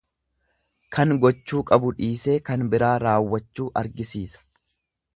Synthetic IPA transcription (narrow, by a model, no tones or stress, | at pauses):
kʰɐŋɡɔt͡ʃːuːkʼɐbʊᶑiːseːkɐnbɪɾaːɾaːwːɐt͡ʃːuːʔɐɾɡɪsiːsɐ̥